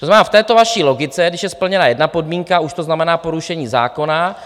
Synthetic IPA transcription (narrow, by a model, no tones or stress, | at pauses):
oznamɛnaːft̪ɛːt̪o̞vaʃiːlo̞ɡɪt͡sɛɡdɪʃjɛspl̩ɲɛnajɛdnapo̞dmiːŋkauʃt̪oznamɛnaːpo̞ɾuʃɛɲiːza̰ːko̞na